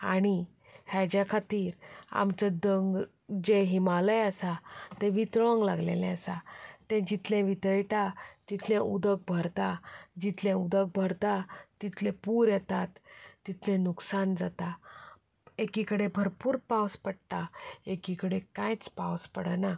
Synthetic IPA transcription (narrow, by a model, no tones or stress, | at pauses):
a̰ɽ̃i | had͡ʑjakʰat̪iːɾa̰mt͡ɕad̪əŋɡ | d͡ʑeɦimaləjəsat̪ɛ̃ʋit̪ɾʋə̃ŋɡla̰ɡlḛlɛ̃əsat̪ɛ̃d͡ʑit̪lɛ̃ʋit̪əjʈat̪it̪ʰlɛ̃ud̪ək̚bʱəɾt̪ad͡ʑit̪lɛ̃ud̪ək̚bʱəɾt̪at̪it̪lɛ̃puːɾjɛt̪at̪ːit̪ʰlɛ̃nuksand͡zat̪a | ekikəɽebʱəɾpuːɾpawspəɽt̪aekikəɽekajt͡spawspəɽəna